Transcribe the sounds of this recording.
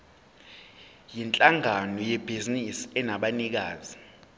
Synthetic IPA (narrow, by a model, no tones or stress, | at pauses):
jint͡ɬʼaŋanɔjɛb̥ʱizinisɛnaɓanik̬aːzi